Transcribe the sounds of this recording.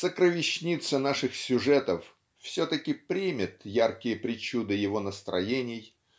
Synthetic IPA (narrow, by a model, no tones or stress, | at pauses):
səkɾəvʲɪɕnʲit̪sənaʂɨxsʲʊʐɛt̪əf | fsʲɵt̪əkʲɪpɾʲimʲɪt̪jarkʲɪjəpɾʲɪt͡ɕud̪ɨjɪvo̞nəst̪ɾʔɐ̰jenʲɪj